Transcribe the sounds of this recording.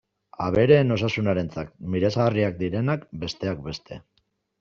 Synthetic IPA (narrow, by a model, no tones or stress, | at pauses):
aβ̞e̞ɾe̞ːno̞sasunaɾe̞nt͡sak̚miɾesariak̚d̪iɾe̞nakbe̞st̪e̞akbe̞st̪e̞̰